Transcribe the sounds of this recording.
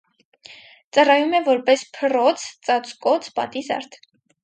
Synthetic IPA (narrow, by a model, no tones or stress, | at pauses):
t͡sɑrɑjumɛvɔɾpɛspʰərɔt͡sʰt͡sɑt͡skɔt͡sʰpɑ̰t̪izɑ̰ɾt̪ʰ